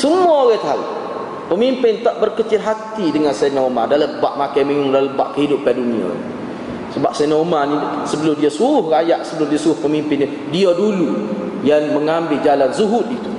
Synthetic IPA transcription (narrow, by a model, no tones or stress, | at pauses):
səmuaoɣat̪aṵ | pəmimpɪnt̪aʔbərkət͡ʃɪlɦat̪idəŋansanamadaləbaʔmakajmiŋʊŋdaləbaʔkəɦidʊpːɛdunia̰ | səbap̚sanomanisəbəlʊmdiasuɾʊhrajaʔsəbəlʊmdiasuɾʊhpəmimpɪnːi | diadulu | jaŋməŋambɪld͡ʒalanzuɦʊt̪̚it̪u